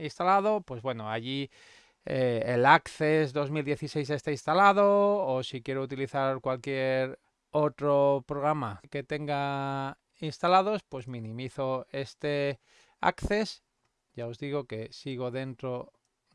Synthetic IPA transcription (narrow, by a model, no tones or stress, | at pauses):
inst̪alaðo̞pwe̞zβwe̞noaʝi | eelakθezðo̞zmild̪je̞θise̞js̬e̞st̪ainst̪alað̞oːsikje̞ɾout̪iliθaɾkwalkje̞ɾ | o̞t̪ɾopɾoɣ̞ɾamake̞t̪e̞ŋɡa | inst̪alað̞o̞spwe̞zmĩnĩmiθoe̞st̪e̞ | a̰kθe̞s | ʝao̞zðiɣ̞o̞ke̞siɣ̞o̞ðe̞nt̪ɾo̞